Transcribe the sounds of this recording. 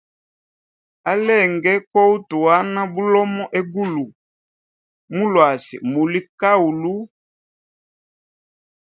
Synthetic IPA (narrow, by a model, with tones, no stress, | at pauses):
a˦lɛ˦˨ŋɡɛ˦kɔ˦u˦tu˨a˦na˦bu˦lɔ˦mɔ˦ʔɛ˦ɡu˦lu˨ | mu˦lwa˨sḭ˨mu˨li˦ka˦u˨lu˦